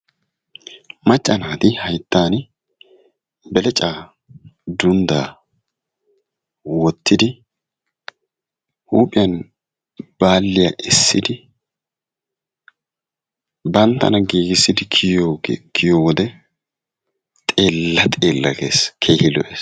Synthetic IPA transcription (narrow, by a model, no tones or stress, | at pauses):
mɐt͡ʃʼːɐnaːt̪ɪhɐjt̪ːaːn | bɛlɛt͡ʃʼaː | d̪ʊnd̪aː | wɔt̪ːɪd̪ɪ | huːpʼɪjɐn | b̥aːlːɪjaːʔɪsːɪd̪ɪ | bɐnt̪ːɐ̰nɐɡiːɡɪsːɪd̪ɪokʰɪjowɔd̪ɛ | tt̪ʼeːlːɐt̪ʼeːlːɐ̰ɡḛːskʰeːhɪlɔ̰ʔeːs